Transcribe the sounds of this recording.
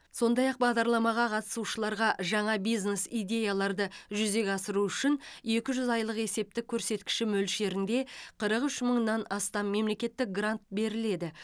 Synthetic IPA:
so̞nd̪ɑjɑq̚bɑʁd̪ɑɾlˠɑmɑʁɑqʰɑt̪ə̥suʃəlˠɑɾʁɑʒɑɴɑbijznesijd̪ʲe̞jalˠɑɾd̪əʒʏze̞kʲɑsəɾuʏʃɪne̞kʲɪʒʏzɑjlˠəqe̞se̞p̚t̪ɪkʲʰːɵɾse̞t̪kʲɪ̥ʃɪmɵlʃe̞ɾɪnd̪e̞qʰəɾəqʏʃməɴnːɑnɑst̪ɑmːe̞mle̞kʲe̞t̪ːɪk̚ɡrant̪̚be̞ɾɪle̞d̪ɪ

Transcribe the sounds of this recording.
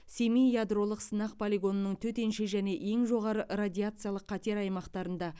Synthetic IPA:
se̞mijjad̪ro̞lˠəqsənɑq̚pʰolʲeɡo̞nənəɴt̪ʰɵt̪e̞nʃɪʒæne̞ʔe̞ŋʒo̞ʁɑɾərad̪ʲijat̪sɨjalˠəqʰːɑt̪e̞ɾɑjmɑqt̪ɑɾənd̪ɑ

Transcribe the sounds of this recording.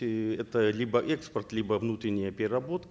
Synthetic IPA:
ɛt̪əlʲibəʔɛkspərt̪lʲibəvnut̪ɾʲɪnʲɪjəpʲɪɾʲɪrɐbo̞t̪

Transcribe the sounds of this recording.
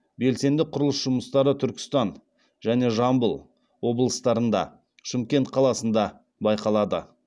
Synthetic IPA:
be̞lse̞nd̪ɪqʰʊɾəlˠəsʒʊməst̪ɑɾət̪ʰʏɾkʲɪ̥st̪ɑn | ʒæne̞ʒɑmbəlˠ | wo̞bəlˠəst̪ɑɾənd̪ɑ̰ | ʃɪmkʲe̞nt̪̚qʰɑlˠɑsənd̪ɑ | bɑjqɑlˠɑd̪ə̰

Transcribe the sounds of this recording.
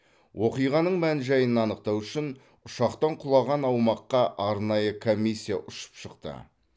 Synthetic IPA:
wʔo̞qijʁɑnəɴmænʒɑjənɑnəq̚t̪ɑwʏʃɪn | ʊʃɑqt̪ɑɴqʰʊlˠɑʁɑnɑwmɑqːɑʔɑɾnɑjəkʰo̞mʲːisʲːijaʔʊʃə̥pʃəqt̪ə̰

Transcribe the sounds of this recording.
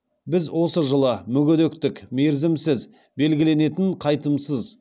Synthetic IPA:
bɪzwo̞səʒəlˠəmʏɡʲɪd̪ekt̪ɪkmeɾzɪmsɪz | be̞lɡʲɪle̞ne̞t̪ɪɴqʰɑjt̪əmsəz

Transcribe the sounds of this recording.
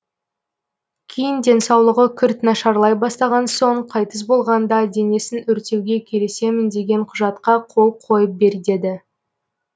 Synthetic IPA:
kʲʰejɪnd̪ʲe̞nsɑwlˠəʁəkʲʰʏɾt̪nɑʃɑɾlˠɑjbɑst̪ɑʁɑnso̞ɴqʰɑjt̪əs̬bo̞lˠʁɑnd̪ɑd̪e̞ne̞sɪnʏɾt̪e̞wɡʲe̞kʲʰe̞le̞se̞mɪnd̪e̞ɡʲe̞ɴqʰʊʒɑt̪qɑqʰo̞lˠəp̚qʰo̞jəp̚be̞ɾd̪e̞d̪ɪ

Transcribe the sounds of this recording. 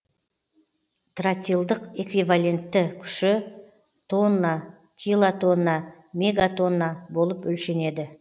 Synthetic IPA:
t̪rat̪ʲilˠd̪əqe̞kvijvalʲe̞nt̪ːɪkʲʰʏ̥ʃɪ | t̪ʰo̞nːa | kʲʰilˠat̪ʰo̞nːa | mʲe̞ɡat̪o̞nːabo̞lˠəpɵlʃe̞ne̞d̪ɪ

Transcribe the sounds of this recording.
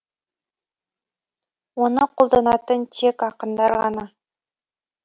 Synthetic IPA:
wo̞nəqʰolˠd̪ɑnɑt̪ənt̪ʰekɑqənd̪ɑɾʁɑ̰nɑ

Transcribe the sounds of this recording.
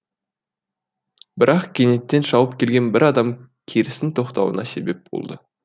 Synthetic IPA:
bɪɾɑqkʲʰene̞t̪ːe̞nʃɑwəp̚kʲʰe̞lɡʲe̞nbɪɾɑd̪ɑm | kʲʰeɾɪst̪ɪnt̪ʰo̞qt̪ɑwə̰nɑse̞be̞p̚bo̰lˠd̪ə

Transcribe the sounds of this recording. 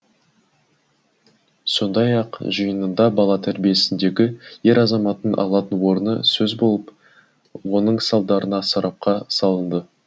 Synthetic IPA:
so̞nd̪ɑjɑqʒəjənənd̪ɑbɑlˠɑt̪ʰæɾbije̞sɪnd̪e̞ɡʲɪje̞ɾɑzɑmɑt̪ənʔɑ̰lˠɑt̪ənwo̞ɾənəsɵzbo̞lˠəp | wo̞nəɴsɑlˠd̪ɑɾənɑsɑɾɑp̚qɑsɑlˠənd̪ə

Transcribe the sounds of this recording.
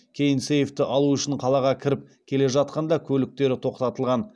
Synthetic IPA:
kʲʰe̞jɪnsejft̪ɪʔɑlˠuʏʃɪɴqʰɑlˠɑʁɑkʲʰɪɾɪp̚ | kʲʰe̞le̞ʒɑt̪̚qɑnd̪ɑkʲʰɵlɪk̚t̪e̞ɾɪt̪ʰo̞qt̪ɑt̪əlˠʁɑn

